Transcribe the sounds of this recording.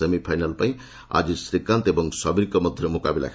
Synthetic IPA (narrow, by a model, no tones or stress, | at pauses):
emipʰajnalpaj̃ | a̰d͡zisɾikːant̪ebʌŋsʌbiɾkomʌd̪ʱjʌmukabila̰kʰ